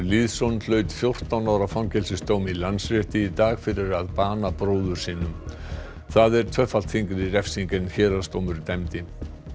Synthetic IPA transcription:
liːðsɔnːl̥œːɥt̪fjowr̥t̪awnaːwɾafawcɛlsɪst̪oːwmilansɾɛht̪ɪit̪aːɣfɪɾɪɾaðpaːnapɾoːwðʏɾ̥siːnʏm | θaðɛɾ̥t̪ʰvœfalt̪θiŋkɾɪiɾɛfsiŋkɪnçɛːɾast̪owmʏɾt̪ɛmt̪ɪ

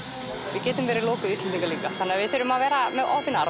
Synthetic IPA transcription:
vɪðcɛːt̪ʏmvɛːɾɪlɔːwkʏðist̪ɛnt̪ːiŋkaliːkaθanːɪavɪðθɛɾʏmaðvɛːɾamɛða̰wθɪna̰ɾ

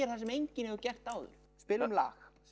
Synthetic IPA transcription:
ɛɾ̥θas̬ɛmejɲcɪnɛvʏcɛht̪aːwðʏ̰ɾ̥ | spɪːlʏmla̰ːx

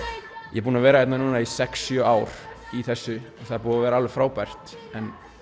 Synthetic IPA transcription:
jɛpuːnavɛːɾaɛjt̪nanuːnaisɛksjœaːwɾ̥iθɛsːʏaθaðpuːðavɛːɾaalðʏfɾaːwpajr̥t̪ | ɛn

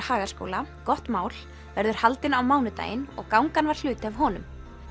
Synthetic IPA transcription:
haːɣḁsko̰wlakɔht̪maːwl | vɛɾðʏɾ̥halt̪ɪnawmaːwnʏt̪a̰ːjɪnɔ̰ɣkawŋkanvaɾ̥l̥ʏːt̪ɪavɦɔːnʏ̰m

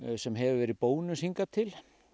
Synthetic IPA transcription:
sɛmɦɛvʏvɛːɾɪðpoːwnʏsiŋkat̪ʰɪl

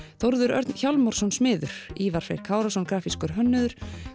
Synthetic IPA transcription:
θowɾðʏɾœ̰ɾt̪nçawlmɔɾ̥sɔnsmɪːðʏɾ̥iːvaɾ̥fḛjɾ̥kʰaːwɾasɔnkɾaːfiskʏɾ̥ɦœnːʏðʏɾ̥

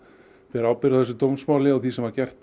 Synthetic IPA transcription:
fɛɾaːwpɪɾaθɛs̬ʏt̪owmsmaːwlɪaɣθisɛmvaɾcɛr̥t̪

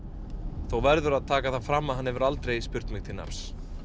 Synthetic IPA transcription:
θowvɛɾðʏɾaðt̪ʰaːkaðθafɾamːaðɦanːɛvʏɾalt̪ɾejspʏɾ̥t̪mɪɣ̥t̪ʰɪlna̰ɾs

